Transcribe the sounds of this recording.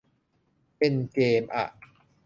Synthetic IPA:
pe˧nkeː˧mʔa̰˨˩ʔ

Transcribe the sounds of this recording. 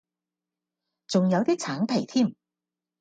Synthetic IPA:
t͡sʊ˨ŋjɐ˨˧wt̪iː˥t͡sʰaː˨˥np̪ʰe˨˩jt̪ʰiː˥˩m

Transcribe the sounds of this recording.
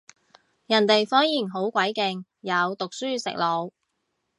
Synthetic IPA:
jɐ˨˩nt̪e˨jfɔː˥njiː˨˩nɦo˨˥wkʷɐ˨˥jkɪ˨ŋ | jɐ˨˧wt̪ʊ˨k̚syː˥sɪ̰˨k̚lo˨˧w

